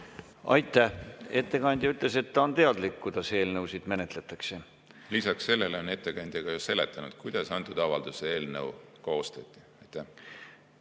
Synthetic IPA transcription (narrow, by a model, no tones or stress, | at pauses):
ɑ̰jt̪ˑːæhe̞t̪ːe̞kɑnʲd̪̥ʲjɑyt̪ˑle̞se̞t̪ːɑont̪e̞ɑd̪likkːujd̪̥ɑse̞ːlnɤwsid̪̥me̞ne̞t̪le̞t̪ːˑɑkse̞ | lisɑkse̞lːe̞leone̞t̪ːˑe̞kɑnʲd̪̥jɑɡ̥ɑjuse̞le̞t̪ˑːɑnud̪̥kujd̪̥ɑsɑnt̪ːˑud̪ɑvɑld̪̥usee̞ːlnɤwkoːst̪ɑt̪ʲːˑi̥ɑjt̪ːˑæh